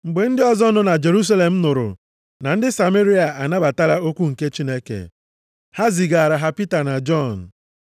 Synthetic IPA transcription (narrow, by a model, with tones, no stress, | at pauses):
ŋ͡m̩˨ɡ͡be˨n̩˦dɪ˦ɔ˦zɔ˦nʊ˦na˨d͡ʒe˨ɾu˦s̬a˦le˨m̩˦nʊ˨ɾʊ̰˨ | na˨n̩˦dɪ˦sa˨me˦ɾi˦a˨ʔa˨na˦ba˨ta˦ɾa˦o˦kʷu˦ŋ̩˨ke˦t͡ʃi˦ne˦kḛ˨ | ha˦zi˨ɡa˨a˨ɾa˨ɦa˦pi˦ta˨na˨d͡ʒɔ˦˨n̩˨